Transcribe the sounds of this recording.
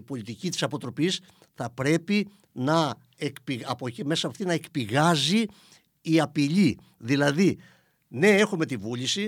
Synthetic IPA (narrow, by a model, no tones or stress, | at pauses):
ipo̞lit̪icit̪i̥sɐpo̞t̪ɾo̞pis | θɐpɾe̞pi | nɐ | ekpiɐpocime̞sɐpoft̪inɐekpiɣɐziː | ɐpiʎi | ðilɐði | ne̞e̞xume̞t̪ivulisi